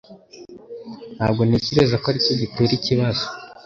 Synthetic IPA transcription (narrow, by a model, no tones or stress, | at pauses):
nhaːbɡo̞niciɾe̞zakoaɾico̞ɟiteːɾiciβazo